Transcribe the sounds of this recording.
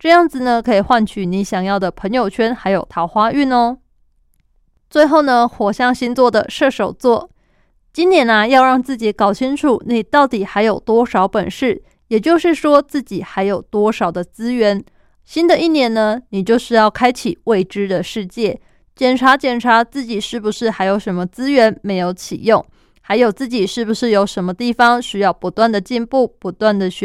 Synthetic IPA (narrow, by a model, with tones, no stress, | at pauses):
ʈ͡ʂɤ˥˧jɑ˥˩ŋd͡zɹ̩˨˩nə˩kʰɤ˧˥i˨˩xwa˥˧nt͡ɕʰy˨˩ni˧˥ɕjɑ˨˩ŋjɑ˥˩ʊd̪ə˩pʰɤ˧˥ŋjo˨˩ʊt͡ɕʰɥɛ˥nxa˧˥ɪjo˨˩ʊt̪ʰɑ˧˥ʊxwa˥y˥˩nə˧ | t͡swe˥˧ɪxo˥˩ʊnə˨xwɔ˨˩ɕjɑ˥˩ŋɕi˥nt͡swɔ˥˩d̪ə˨˩ʂɤ˥˩ʂo˨˩ʊt͡swɔ˥˩ | t͡ɕi˥njɛ˧˥nɐ˧jɑ˥˧ʊɻɑ˥˧ŋt͡sɹ̩˥˩t͡ɕi˨˧˥kɑ˨˩ʊt͡ɕʰi˥ŋʈ͡ʂʰu˨˩ni˨˩t̪ɑ˥˩ʊt̪i˨˩xa˧˥ɪjo˨˩ʊt̪wɔ˥ʂɑ˧˥ʊpə̰˨˩nʂɻ̩˥˩ | jɛ˨˩t͡ɕjo˥˧ʊʂɻ̩˥˩ʂwɔ˥t͡sɹ̩˥˩t͡ɕi˨˩xa˧˥ɪjo˨˩ʊt̪wɔ˥ʂɑ˨˩ʊd̪ə˦t͡sɹ̩˥ɥɛ˧˥n | ɕi˥nd̪ə˨i˥˩njɛ˧˥nnə˧ni˨˩t͡ɕjo˥˧ʊʂɻ̩˥˧jɑ˥˩ʊkʰa˥ɪt͡ɕʰi˨˩we˥˩ɪʈ͡ʂɻ̩˥d̪ə˨ʂɻ̩˥˧t͡ɕjɛ˥˩ | t͡ɕjɛ˨˩nʈ͡ʂʰa˧˥t͡ɕjɛ˨˩nʈ͡ʂʰa˧˥t͡sɹ̩˥˩t͡ɕi˨˩ʂɻ̩˥˩bu˨˩ʂɻ̩˥˩xa˧˥ɪjo˧˥ʊʂə˧˥nmə˧t͡sɹ̩˥ɥɛ˧˥nme˧˥ɪjo˧˥ʊt͡ɕʰḭ˨˩jʊ˥˩ŋ | xa˧˥ɪjo˨˩ʊt͡sɹ̩˥˩t͡ɕi˨˩ʂɻ̩˥˩bu˨˩ʂɻ̩˥˩jo˧˥ʊʂə˧˥nmə˧t̪i˥˩fɑ˩ŋɕy˥jɑ˥˩ʊpu˧˥t̪wa˥˩nd̪ə˩t͡ɕi˥˧npu˥˩pu˧˥t̪wa˥˩nd̪ə˩ɕ